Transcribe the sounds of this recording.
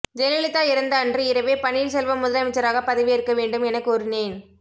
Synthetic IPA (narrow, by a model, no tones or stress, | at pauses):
d͡ʒɛlɐlɪt̪ːaːɪɾɐnd̪ɐːndrɯɪɾɐʋeːpɐniːɾsɛlʋɐmʊðɐɾɐmɪt͡ʃːɐɾaːɣɐpɐðɪʋɪɪɾɯkːɐʋeːɳɖɯmɛnɐkːɯɔɾɪneːn